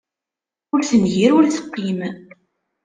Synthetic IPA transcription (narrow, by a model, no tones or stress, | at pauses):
ʊɾθənʝiɾʊɾθə̥qːim